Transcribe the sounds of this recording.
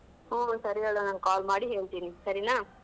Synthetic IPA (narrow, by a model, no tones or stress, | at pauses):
õːsɐɾɪɐɭɐnãŋɐkaːlmaːɽiɦeːɭt̪ːiːnːisɐɾinaː